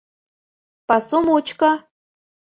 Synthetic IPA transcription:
pɑsumut͡ɕkɑ

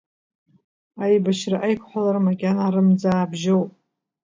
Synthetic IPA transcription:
ajbaʃraʔajkʷʰħʷalarmakʲʼanaːɾɨmd͡zaːbʒowpʼ

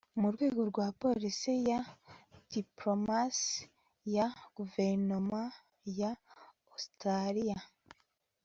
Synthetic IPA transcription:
muɾɡwe̞ːɡoɾɡwaːpo̞lisijad̥ipɾomas | jaɡ̥uveɾnoma | ja | ostɾaɾija

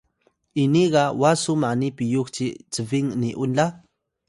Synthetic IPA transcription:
ʔiniɢɑwasumanipijuxt͡ʃit͡səviŋniʔunla

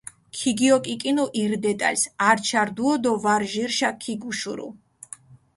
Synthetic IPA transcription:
kʰiɡiɔkʼikʼinuʔiɾd̪ɛt̪ʼa̰lsaɾt͡ʃʰaɾd̪uɔd̪ɔvaɾʒiɾʃakʰiɡuʃuɾṵ

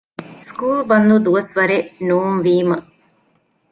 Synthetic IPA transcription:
skuːlbɐnd̪ud̪uʋɐsʋɐɾenuːmʋiːmɐ

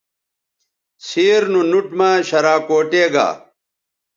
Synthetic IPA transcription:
siːɾnunuʈmaːɕɐɾaːkoːʈeːɡa̰ː

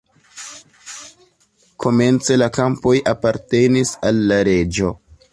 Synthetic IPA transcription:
ko̞me̞nt͡se̞lakampo̞jʔapaɾte̞nisalːaɾe̞d͡ʒo̞

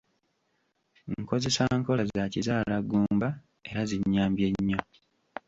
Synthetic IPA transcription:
ŋko̞ze̞saŋko̞lazaːcizaːlaɡuːmba | e̞ɾaziɲːaːmbje̞ɲːo̞

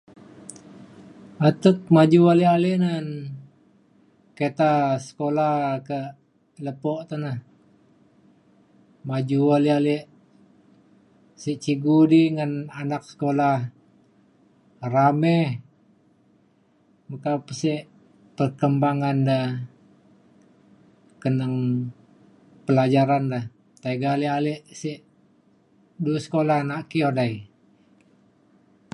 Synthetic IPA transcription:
at̪ək̪̚mad͡ʒuwalialiʔnan | ket̪asə̥kolahkə | ləpɔʔt̪anəh | mad͡ʒuwalialiʔ | siʔt͡ʃiɡudiŋananak̚sə̥kolah | ramɛh | məkapəsiʔ | pərkəmbaŋanda | kənəŋ | pəlad͡ʒaɾanda | t̪aiɡalialiʔsiʔ | duəsə̥kolahnaʔkiodai

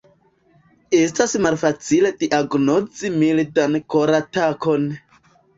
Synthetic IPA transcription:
estasmalfat͡sile̞diʔaɡnod͡zimilitankoɾatako̞n

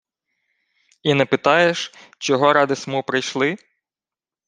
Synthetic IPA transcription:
inɛpɪt̪ɑjeʃt͡ʃɔɦɔɾɑd̪ɪsmupɾɪjʃlˠɪ

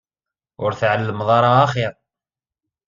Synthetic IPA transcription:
ʊɾθʕalːəmðˤɑɾˤɑːχiʁ

